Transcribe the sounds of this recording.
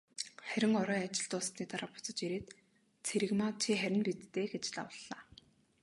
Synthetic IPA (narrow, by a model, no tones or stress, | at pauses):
χæɾʲɪ̆ŋɔɾœːat͡ɕɪ̆ɬt̪ʊːst̪iːt̪aɾaːpʊ̥t͡sə̆t͡ɕiɾeːt̪ | t͡sʰeɾɘ̆ɣmaːt͡ɕʰiːχæɾʲɪ̆npet̪ːeːɡet͡ɕɮa̰wə̆ɮːaː